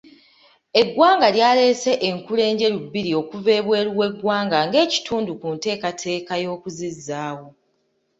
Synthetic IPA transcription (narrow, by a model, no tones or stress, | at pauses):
e̞ɡwaːŋɡaljaːle̞se̞ʔeŋkule̞ːɲɟe̞lubːiɾio̞kuve̞ːβwe̞ːluwe̞ɡwaːŋɡaŋɡe̞ːci̥tʰuːndukunte̞ːkatʰe̞ːkajo̞ːkuzizːaːwo̞